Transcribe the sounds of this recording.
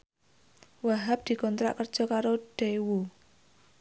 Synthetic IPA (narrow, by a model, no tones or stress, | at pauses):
waɦap̚d̪̥i̤kɔnt̪ɾa̰ʔkərd̥ʒ̥ɔ̤kaɾoɖ̥ewu